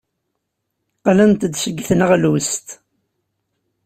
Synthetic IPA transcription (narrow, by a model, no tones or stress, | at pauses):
qlənt̪d̪ʃəɡːθnəʁlwəst̪